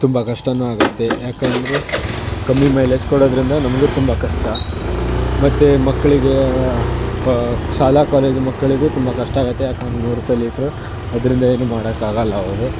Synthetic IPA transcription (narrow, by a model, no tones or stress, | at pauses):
t̪umbɐkɐʂʈɐnːuaːɡɐt̪ːe̞jaːkeːnd̪ɐɾekɐmːimɐjleːd͡ʒkoɽoːd̪ɐɾind̪ɐnɐmɐɡet̪umbɐkɐʂʈɐ | mɐt̪ːemɐkːɐɭiɡe | ʃaːlakaːle̞ːd͡ʒmɐkːɐɭiɡet̪umbɐkɐʂʈɐaːɡɐt̪ːejaːkend̪ɐnuːɾupɐjliːkɾu | ɐd̪ɐɾind̪ɐeːnumaːɽɐkaːɡɐlːɐɐʋɾu